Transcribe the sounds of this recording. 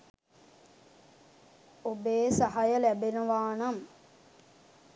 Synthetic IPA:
obeːsaɦajəlæbenəʋaːnam

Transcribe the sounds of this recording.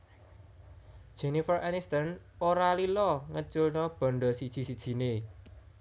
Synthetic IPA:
d̥ʒ̥e̤nifərʔanist̪ən | oɾalilɔŋət͡ʃʊlɲɔb̥ɔ̤ɳɖɔsid̥ʒ̥i̤sid̥ʒ̥i̤ne

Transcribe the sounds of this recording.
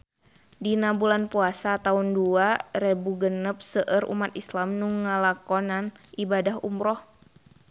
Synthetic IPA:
dinabulanpuasat̪aunduaɾɛbuɡənəp̚səʔəɾṵmat̪islamnuŋːalakɔnanibadaɦṵmɾɔh

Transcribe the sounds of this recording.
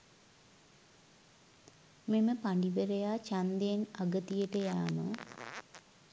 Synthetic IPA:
meməpaɳɖiʋəɾejaːt͡ʃand̪ejenaɡət̪ijəʈəjaːmə

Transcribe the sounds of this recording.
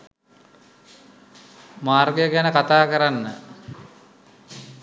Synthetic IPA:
maːrɡəjəɡænəkat̪aːkəɾanːə

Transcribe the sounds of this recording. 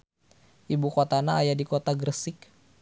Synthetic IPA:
ʔibukot̪anaːjadikot̪aɡrəsɪk

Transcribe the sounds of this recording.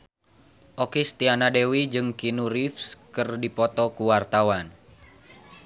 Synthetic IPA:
ʔokest̪ianadewid͡ʒɨŋkinuɾifskɨrdipɔt̪ɔkuwart̪awan

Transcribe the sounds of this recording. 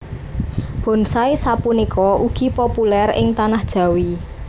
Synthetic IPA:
b̥ɔ̤nsaisapunikʰɔʔuɡ̥i̤populɛrɪ̰ŋt̪anahd̥ʒ̥ä̤wi

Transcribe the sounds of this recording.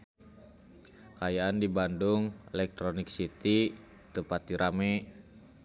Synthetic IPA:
kajaandibandʊŋɛlɛk̚t̪ɾonɪk̚sit̪i | t̪əpat̪iɾamɛ

